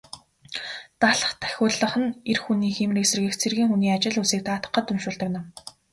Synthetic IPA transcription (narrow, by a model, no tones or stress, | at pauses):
t̪aɮə̆χt̪ʰæ̥xʲʊːɮə̆χə̆nerxuniːxemriːksĕrɣĕxt͡sʰerɣiːŋxuniːat͡ɕɪ̆ɮusiːk̚t̪aːt̪ə̆qːə̆t̪ːɵmʃʊːɮt̪ə̆knə̆w